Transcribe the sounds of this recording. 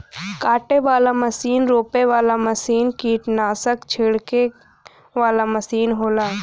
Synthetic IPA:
kaːʈeʋaːlaməsiːnɾoːpeʋaːlaməsiːnkiːʈnaːsəkt͡ʃʰɪɽke | ʋaːlaməsiːnɦoːlaː

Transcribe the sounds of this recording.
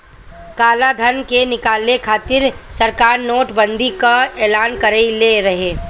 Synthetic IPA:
kaːlad̪ʱənkenɪkaːlekʰaːt̪ɪɾsəɾkaːɾnoːʈbə̃nd̪ʱikaeːlaːnkəɾeileɾɐɦeː

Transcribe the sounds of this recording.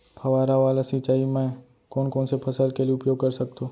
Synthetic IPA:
pʰɐʋaːɾaʋaːlasit͡ʃaːimɛ̃ː | kɔːnkɔːnsepʰɐsəlkelieʊpjoːɡ̚kɐɾsɐk̚t̪õː

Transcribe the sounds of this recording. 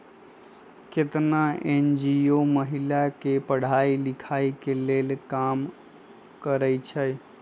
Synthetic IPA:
ket̪naend͡ʒioməɦilakepəɽ̤ailikʰaikelelkam | kəɾəjt͡ʃʰəj

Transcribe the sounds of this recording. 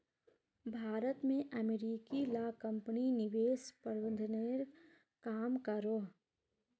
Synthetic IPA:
bʱaːɾət̪mẽʔəmeɾiːkilaːkə̃mpninɪʋeːspəɾwənd̪ʱneːɾ | kaːmkaɾoɦ

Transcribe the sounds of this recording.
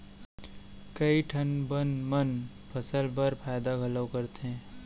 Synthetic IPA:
kəiʈʰɐnbənmən | pʰəsəlbəɾpʰaɪd̪aɡʱɐləʊkɐɾt̪eɦɛ̃ː

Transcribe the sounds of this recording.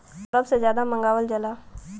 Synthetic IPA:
ɐɾəbsezjaːd̪amə̃ŋɡaːʋəld͡ʒɐlaː

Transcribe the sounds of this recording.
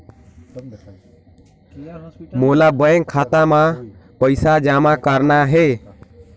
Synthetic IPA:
molabəjeŋkʰat̪amapəjsad͡ʒamakaɾnaɦe

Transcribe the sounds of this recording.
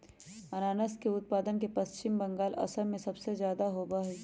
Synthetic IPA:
ɐnaːnəskeʊt̪̚paːd̪ənkepɐst͡ʃɪmbɐ̃ŋɡaːlɐ̰səɾmẽsɐbsezjaːd̪aɦoːbaɦɛ

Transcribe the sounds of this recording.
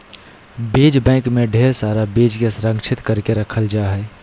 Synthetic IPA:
beːd͡ʒbɛ̃ːkmẽɖʱeːɾsaːɾabeːd͡ʒkesɾə̃ŋɡt͡ʃʰɪt̪kəɾkeɾəkʰəld͡ʒaːɦɛː

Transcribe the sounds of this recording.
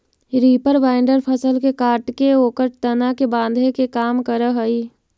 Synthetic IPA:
ɾiːpəɾʋaːɪɳɖəɾpʰəsəlkekaːʈkeoːkəɾt̪ɐnakebãːnd̪ʱekekaːmkəɾəɦəiː

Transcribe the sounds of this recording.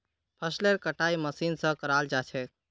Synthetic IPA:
pʰəsleɾkəʈaiməsiːnsə̃kəɾald͡ʒat͡ʃʰɛ

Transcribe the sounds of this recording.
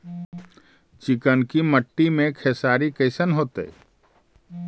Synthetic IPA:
t͡ʃɪkənkiməʈːimẽkʰeːsaːɾikəɪsənɦoːt̪ḛ

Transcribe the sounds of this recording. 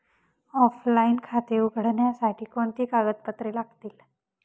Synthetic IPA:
ɔflainkʰat̪euɡʱɽɳjasaʈʰiːkoɳt̪iːkaɡət̪̚pət̪ɾiːlaɡt̪iːl

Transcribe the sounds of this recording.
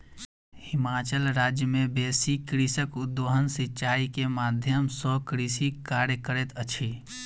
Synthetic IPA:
hɪmaːt͡ʃəlɾaːd͡ʒjəmẽbeːsikɾisəkʊd̪ːoɦənsɪtːt͡ʃaːikemaːd̪ʱjəmsɔkɾisikaːɾjəkəɾet̪ət͡ʃʰi

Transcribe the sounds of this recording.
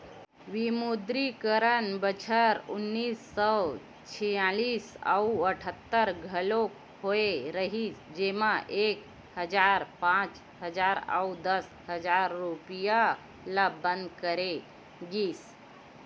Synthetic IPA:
ʋimud̪ɾikəɾənbət͡ɕʰəɾunːiːsːəw | t͡ɕʰijaɭisa̰wəʈʰət̪ːəɾɡʱəlok | hoeɾəɦisd͡ʑemaʔek | həd͡zaɾpãt͡s | həd͡zaɾa̰wd̪əs | həd͡zaɾːupija | labənd̪kəɾe | ɡiːs

